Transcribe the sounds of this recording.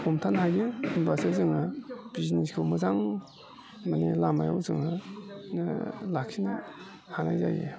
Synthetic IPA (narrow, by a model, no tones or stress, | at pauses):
homtʰanhajɡeimbasezɯŋnab̥izniskʰɯwmɯzaŋ | manelamajawzɯŋanalakʰːina | hanajza̰jɡḛ